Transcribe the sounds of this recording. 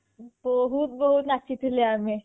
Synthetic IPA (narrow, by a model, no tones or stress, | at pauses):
bɔɦut̪̚bəɦut̪nat͡ʃit̪leaːmẽ